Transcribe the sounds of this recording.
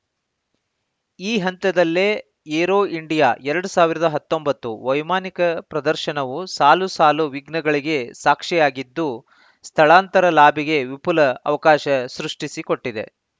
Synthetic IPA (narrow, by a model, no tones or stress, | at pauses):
iːɦɐnt̪ɐd̪ɐlːe | eːɾoːiɳɖijaːʔɛɾɐɽusaːʋiɾɐd̪ɐɦɐt̪ːo̞mbɐt̪ːuʋɐjmaːnikɐpɾɐd̪ɐɾʃɐɳɐʋusaːlusaːluʋiɡnɐɡɐɭiɡe̞saːkʂɛjaːɡid̪ːu | st̪ʰɐɭaːnt̪ɐɾɐlaːbʱiɡe̞ʋipulɐːʋɐkaːʃɐsɾuʂʈisiko̞ʈːid̪e̞̰